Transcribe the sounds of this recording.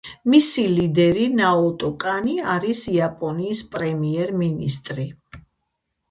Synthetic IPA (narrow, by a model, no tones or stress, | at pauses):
misilid̪ɛɾinaɔt̪ʼɔkʼaniaɾisiapʼɔniːspʼɾɛmiɛɾminist̪ʼɾi